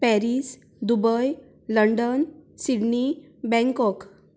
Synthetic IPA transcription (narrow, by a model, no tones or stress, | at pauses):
pɛɾis | d̪ubəj | ləɳɖənsiɽni | bɛ̃ŋkɔk